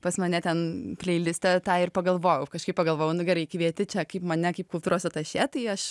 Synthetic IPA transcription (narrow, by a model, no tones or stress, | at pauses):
pɐsmɐnʲɛt̪ʲɛnpʲlʲɛɪlʲɪsʲt̪ʲɛt̪ɑːɪrpɐɡɐlˠʋoːjʊkɐʃkɐɪpɐɡɐlˠʋoːjɛʊnʊɡʲɛɾɐɪkʋʲiɛt̪ʲɪt͡ʃʲɛkɐɪpmɐnʲɛkɐɪp̚kʊlˠt̪uːɾoːsʲɛt̪ɐʃʲɛt̪ɐɪɐʃ